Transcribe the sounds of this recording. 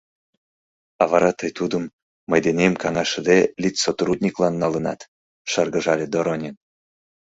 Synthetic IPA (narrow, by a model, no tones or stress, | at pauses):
ɑβɑɾɑt̪əjt̪ud̪əmː | əjd̪enʲemkɑŋɑʃəd̪elʲit͡sʲsot̪rud̪nʲiklɑnːɑlə̆nɑ̰t̪ | ʃərɣə̆ʒɑlʲed̪oɾonʲen